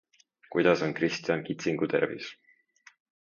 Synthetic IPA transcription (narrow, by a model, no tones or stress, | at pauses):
kujd̪ɑso̞nkrist̪jɑnkit̪siŋɡ̥ut̪e̞ɾvḭs